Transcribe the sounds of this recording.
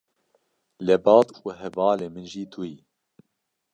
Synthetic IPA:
lɛbɑːt̪uɦɛvɑːleːmɨnʒiːt̪ʰuji

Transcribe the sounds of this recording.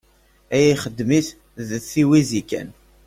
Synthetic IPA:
æjiχəd̪ːmiθ | ðθiwizikːæ̰n

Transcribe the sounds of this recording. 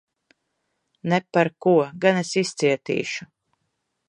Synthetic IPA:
nepaɾkuɔɡanesist̪siɛt̪ḭːʃu

